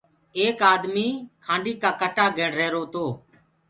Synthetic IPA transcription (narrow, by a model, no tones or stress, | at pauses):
eːkaːd̪miːkʰãːɳɖiːkaːkəʈaːɡeːɳɾeːɾoːt̪oː